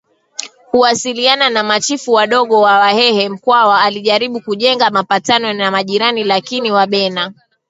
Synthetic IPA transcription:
kuwasiliananamat͡ʃifuwaɗɔɠɔwawahɛhɛm̩kwawaːliʄaɾiɓukuʄɛŋɡamapatanɔnamaʄiɾanilakiniwaɓɛna

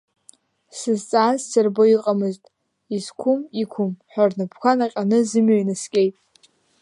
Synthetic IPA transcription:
sɨzt͡sʼaːzsɨrboiqʼamɨztʼ | izkʷʰʊmikʷʰʊmħʷᶣarnɨpʰkʷʰanaqʲʼanɨzɨmɥajnɨskʲʼejtʼ

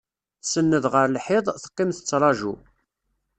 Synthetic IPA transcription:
θsənːəðʁəɾlħɪðˤθə̥qːimθət͡sːɾˤɑʒṵ

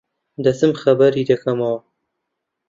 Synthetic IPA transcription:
d̪ɐsɨmxɐbɐɾid̪ɐkɐmɐwɐ

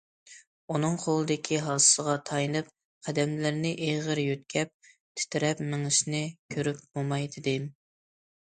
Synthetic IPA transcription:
unɨŋqʰolˠɨd̪ɪkʲʰiɦɑsɨ̥səʁɑt̪ʰɑjnɨp̚ | qʰæd̪ɛmlɪɾnɪʔeʁəɾjøt̪̚kʲʰɛp̚ | t̪ʰɪ̥t̪ʰɪɾɛpmɪŋɨʃnɪkʲʰøɾyp̚bomɑjd̪ɪd̪ɪ

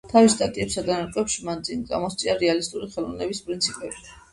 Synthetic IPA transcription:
t̪ʰavist̪ʼat̪ʼiɛpsad̪anaɾkʼwɛpʃimand̪zinɡa̰mɔst̪sʼinaɾɛalist̪ʼuɾiχɛlˠɔvnɛbispʼɾint̪sʰipʼɛbi

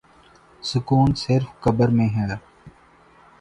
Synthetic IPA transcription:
sʊkuːnsɪɾfkəbəɾmẽɦɛː

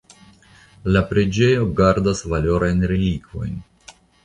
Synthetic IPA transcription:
lapɾe̞d͡ʒe̞jo̞ɡaɾdasvalo̞ɾajnɾelikvo̞̰jn

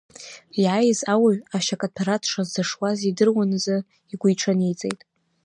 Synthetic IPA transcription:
iʕajzawaɥaʃakʼapʰaɾatʰʂazdaʂwazidɨrwanɨzɨ | iɡʷujʈ͡ʂʰanijt͡sʼe̞̰jtʼ

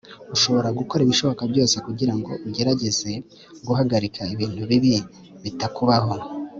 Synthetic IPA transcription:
uʃo̞βo̞ɾaɡuko̞ɾiβiʃo̞βo̞kabɟo̞ːse̞kuɟiɾaŋɡo̞̰ʔuɟe̞ɾaɟe̞ze̞ | ɡuɦaɡaɾikʰaiβiːn̥huβiβi | βitakuβaɦo̞

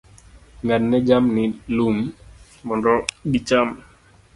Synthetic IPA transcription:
ŋanːɛd͡ʒamnilum | mɔndɔdit͡ʃam

